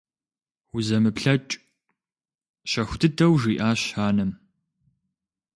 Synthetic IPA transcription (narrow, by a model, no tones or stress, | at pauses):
wʊzɐmɨpɬɐt͡ʃʼ | ɕɐxʷʊtʰɨtʰɐwʒiːʔaːɕaːnɐm